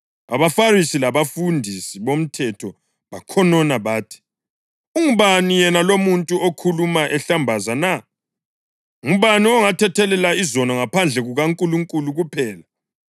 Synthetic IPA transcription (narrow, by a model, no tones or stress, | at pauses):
a̰βafarisilaβafundʱisiβom̩tʰɛtʰɔ | βakʰɔnɔnaβaːtʰi̥ | uŋuβanijɛnalomuntʼuokʰulumaʔɛɬambʱazana | uβaniɔŋatʰɛtʰɛlɛlaizɔnɔŋapʰand͡ɮʱɛɣuɣaŋkʼuluŋkʼuluɣupʰɛːla